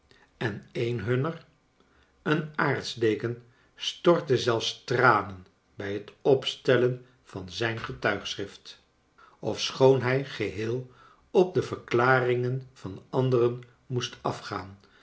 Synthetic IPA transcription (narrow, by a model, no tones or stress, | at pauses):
ɛnejnɦɵnər | ənaːɹtzdeːkən | stɔɹtəzɛlˠfstraːnən | bɛjɦətɔpstɛlən | v̥ɑnzɛjnχətœɥχsʁɪft | ɔfsχownɦɛjχəɦɪːlˠ | ɔp̚dəvəɹklaːrɪŋənv̥ɑnɑndərən | mustɑfχaːn